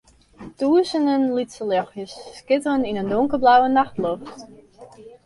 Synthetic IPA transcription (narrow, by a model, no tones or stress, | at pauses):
tuəsənənlitsəlɔxjəsːkɪtəəninəndoŋkərblawənaxtloft